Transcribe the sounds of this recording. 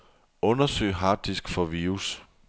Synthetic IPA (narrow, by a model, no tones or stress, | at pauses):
ɔ̽nɐsø̰ɪɦɑ̈ːd̥isɡ̥fɒ̽ʋiːus